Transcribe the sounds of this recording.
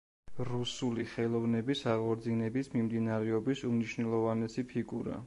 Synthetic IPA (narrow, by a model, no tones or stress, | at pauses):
ɾusuliχɛlˠɔvnɛbisaʁɔɾd̪zinɛbismimd̪inaɾɛɔbisumniʃnɛlˠɔvanɛsipʰiɡuɾa̰